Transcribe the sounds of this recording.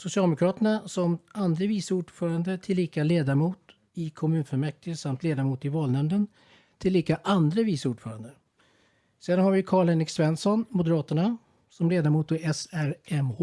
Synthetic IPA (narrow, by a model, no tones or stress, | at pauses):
sʊsɪɑːlɛmʊkʰɾɑːt̪əɳasɔmand̪ɾəviːsuːɖfœːɾand̪ət̪ʰɪlːiːkaleːd̪aɾmuːt̪ | ɪkʰɔmʉ̟ːnfœmɛk̚t̪ɪəsamt̪leːd̪amuːt̪ɪvɑːlnɛmd̪ən | t̪ʰɪlːiːkaʔand̪ɾəviːsuːɖfœːɾand̪ə | seːd̪anhaɾvɪkʰɑːɭeːnɪksvɛnsɔnmʊd̪əɾɑːt̪əɳa | sɔmleːd̪aɾmuːt̪ɪɛsæɾɛmh